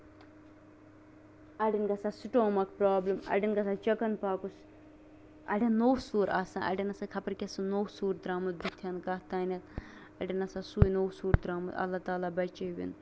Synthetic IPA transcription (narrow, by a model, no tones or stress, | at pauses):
ɐɖinɡɐsasiʈõːmɐkpɾaːblɐmɐ̰ɖinɡɐsaːt͡ʃɐkɐnpaːkus | ɐ̰ɽʲɐnnːoːsuːɾaːsãʔɐ̰ɖʲinɐsɐkʰɐpɐɾkʲesɨnoːsuːɾd̪ɾaːmɐt̪̚bit̪ʰjɐnkat̪aːnʲɐt̪ | ɐɖinɐsasuːjnoːsuːɾd̪ɾaːmɐt̪ɐ̰lːɐt̪aːlaːbɐt͡ʃeʋḭn